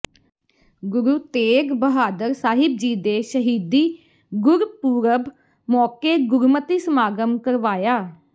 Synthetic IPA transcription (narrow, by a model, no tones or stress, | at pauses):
ɡʊɾuːt̪eːɡbəɦaːd̪əɾsaːɦɪb̚d͡ʒiːd̪eːʃəɦiːd̪iː | ɡʊɾpuːɾəb | mɔːkeːɡʊɾumət̪iːsəmaːɡəmkəɾʋaːjaː